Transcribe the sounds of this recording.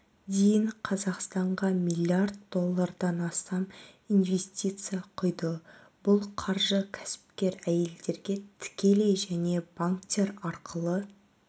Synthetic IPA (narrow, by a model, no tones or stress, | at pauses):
d̪ejɪɴqʰɑzɑqst̪ɑɴʁɑmʲilʲˠiard̪̚d̪o̞lˠːaɾd̪ɑnɑst̪ɑminve̞st̪ʲit̪sɨjɑqʰʊjd̪ə | b̥ʊlˠqʰɑɾʒəkʲʰæ̥sɪ̥p̚kʲe̞ɾæje̞ld̪e̞ɾɡʲe̞t̪ʰɪ̥kʲʰe̞le̞jʒæne̞b̥aŋkt̪ʲe̞ɾɑɾqəlˠə